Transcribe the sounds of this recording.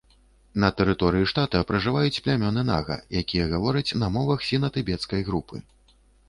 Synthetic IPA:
nɐt̪ɛɾɨt̪ɔɾɨjiʂt̪at̪ɐpɾɐʐɨvajut͡sʲplʲamʲɔnɨna̰ɣɐ̰jakʲijɐɣavɔɾɐt͡sʲnɐmɔvɐxsʲinɐt̪ɨbʲɛt̪skɐjɣɾupʰɨ̰

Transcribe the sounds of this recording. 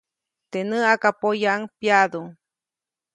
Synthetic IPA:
t̪enɨakapojaʔŋpjad̪o

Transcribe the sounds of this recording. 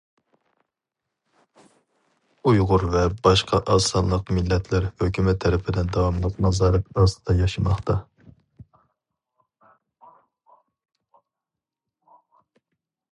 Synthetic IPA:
ujʁʊɾvɛbɑʃqʰɑʔɑːsɑnlːˠəqmɪlːɛt̪ʰlɪɾhøkʲymɛt̪ʰːɛɾɪpʰɪd̪ɪnd̪ɑwɑmlˠəqnɑzɑːɾɨp̪ɑst̪ɨd̪ɑjɑʃɨmɑχt̪ʰɑ

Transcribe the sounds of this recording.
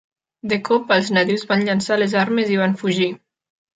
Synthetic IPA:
d̪əkɔpəlˠznat̪iwzβanʎansalezaɾməziβ̞anfuʒi

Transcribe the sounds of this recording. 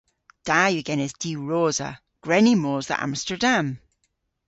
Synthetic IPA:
d̥ajəɡɛnɛsd̥iːɹoːzə̰ | ɡ̥ɹɛnimoːzðə̰ʔã̰mstə˞dãm

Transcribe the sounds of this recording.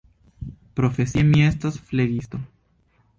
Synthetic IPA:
pɾofesiemiest̪asfleɣist̪o

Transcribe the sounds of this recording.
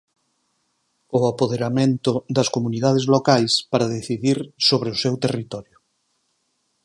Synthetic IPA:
ʊapoðeɾamẽnt̪ʊd̪ɐskomuniðað̞ezlokajspaɾaðeθiðiɾsoβɾeʊsewt̪erit̪ɔɾjʊ

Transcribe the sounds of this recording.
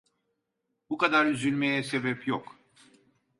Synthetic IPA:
bukad̪aɾyzylʲmejɛse̞bɛpjok

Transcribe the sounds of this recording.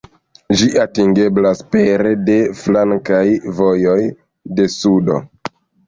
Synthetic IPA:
d͡ʒiʔatiŋɡe̞blaspeɾede̞flaŋkajvo̞jo̞j | de̞sudo̞̰

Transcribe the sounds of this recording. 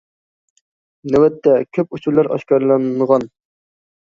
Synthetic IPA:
nɛwɛt̪ʰːɛkʲʰøput͡ʃʰuɾlˠɑɾɑ̰ʃkɑɾlˠɑnʁɑn

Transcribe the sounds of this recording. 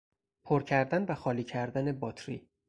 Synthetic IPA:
pʰoɾcʰæɾd̪ænvæxɒːliːcʰæɾd̪ænebɒːt̪ʰɾḭ

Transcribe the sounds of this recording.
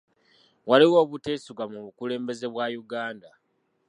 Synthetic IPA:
waliwo̞ːβute̞ːsuɡamuβukule̞ːmbe̞ze̞βwajuɡaːnda

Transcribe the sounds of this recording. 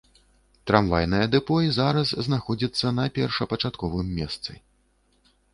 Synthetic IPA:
t̪ɾamvajnɨjɐd̪ɛpɔjizaɾɐsznaxɔd͡zʲit̪sːɐnɐpʲɛrʂɐpɐt͡ʂat̪kɔvɨmʲːɛst̪sɨ̰

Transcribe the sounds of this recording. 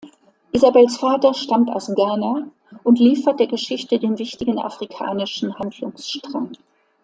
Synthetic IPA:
ʔizabɛlsfaːtɐʃtamta̰ʊsɡaːna | ʔʊntliːfɐt̚d̥eːɐɡəʃɪçtədeːnvɪçtɪɡn̩ʔa̰fʁ̥ikʰa̰ːnɪʃn̩handlʊŋsʃtʁ̥aŋ

